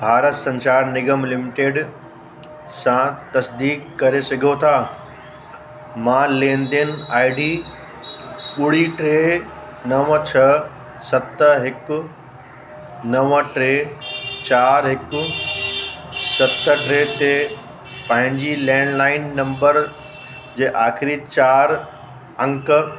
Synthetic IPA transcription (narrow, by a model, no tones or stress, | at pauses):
bʱaːɾət̪sɐ̃nsaːɾnɪɡəmlɪmɪʈeːɖ | sãt̪ɐsd̪iːkːɐɾesɐɡʱjot̪ʰaː | mãːlẽːnd̪enaːɪɖiː | ɓʊɽ̤iʈɾeː | nɐʋət͡ɕʰɐ | sɐt̪əɦɪkʊ | nɐʋəʈɾeːt͡ɕaːɾɦɪkʊ̆ | sɐt̪əʈɾeːt̪e | pɐ̃ɦɪ̃ɲd͡ʑilɛ̃ːɳlaːɪnːɐ̃mbəɾ | d͡ʑeːʔaːxɪɾit͡ɕaːɾ | ɐ̃ŋk